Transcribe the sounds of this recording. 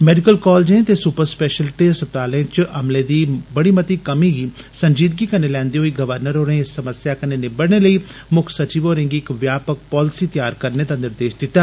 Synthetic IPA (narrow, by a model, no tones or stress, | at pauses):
mɛːɖɪkəlkɔːld͡ʒẽːt̪eːsuːpəɾspɛːʃəlʈesət̪aːlẽt͡ʃəmleːd̪iːbəɽ̃iːmət̪iːkəmiːɡiː | səɲd͡ʒiːd̪̚ɡiːkənːeːlɛ̃ːnd̪eːɦoːiːɡəʋəɾnəɾɦoːɾẽːɪsːəməsjaːkəneːnebəɽneləiːmʊkʰsət͡ʃiːʋoːɾẽːŋɡiɪkʋjaːpək̚pɔːlɪsiːt̪ɪjaːɾkəɾneːd̪aːnɪɾd̪eːʃd̪ɪt̪ːaː